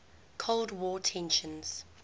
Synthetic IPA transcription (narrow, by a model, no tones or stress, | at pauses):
kʰolˠdwɔːtʰɛ̃nʃə̃nz̥